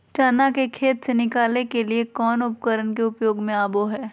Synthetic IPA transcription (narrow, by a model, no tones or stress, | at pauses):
t͡ʃaːnakekʰeːt̪senɪkaːlnekeliekɔːnʊpkəɾənkeʊpjoːɡmẽaːboɦɛː